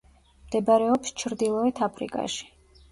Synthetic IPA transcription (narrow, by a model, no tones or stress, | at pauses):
md̪ɛbaɾɛɔpst͡ʃʰɾd̪ilˠɔɛt̪ʰapʰɾḭkʼa̰ʃi̥